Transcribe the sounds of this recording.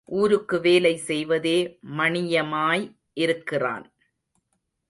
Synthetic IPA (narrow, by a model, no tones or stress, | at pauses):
ʔuːɾɯkːɯʋeːlɐɪsɛjʋɐðeːmɐɳɪjɐmaːj | ʔɪɾɯkːɪra̰ːn